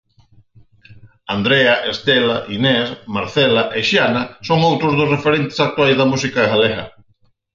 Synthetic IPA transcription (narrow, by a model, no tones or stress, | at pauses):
and̪ɾeaʔest̪elaʔinɛsmaɾθɛlaʔeʃianasoŋowt̪ɾʊzðʊsrefeɾent̪ɪ̥sak̚t̪wajzðɐmus̬ikaeɣaleɣɐ̰